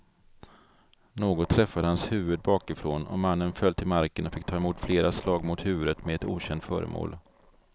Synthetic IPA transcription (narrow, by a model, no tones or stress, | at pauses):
noːɡɔt̪ʰːɾɛfːad̪əhanshʉ̟ːvəd̪̚bɑːkɪfɾoːnɔ̰manːənfœlːt̪ʰɪlmaɾkənɔfɪk̚ːt̪ʰɑːɛmuːt̪fleːɾaslɑːɡmʊt̪hʉ̟ːvɵd̪ət̪mɛɛt̪ṵːɕɛnt̪fœ̰ːɾə̰mʔo̰ːl